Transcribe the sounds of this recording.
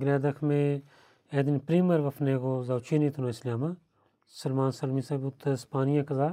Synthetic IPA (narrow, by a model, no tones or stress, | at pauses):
ɡɾɛːd̪ɐkʰmẽ | eːd̪inpɾiːməɾʋɐfʰneːɡoːzaːwt͡ʃʰiːniːt̪ʰunoːɪslʲaːma | sɐlmaːnsɐlmisaːbʊt̪ːspaːnijãːkɐzaː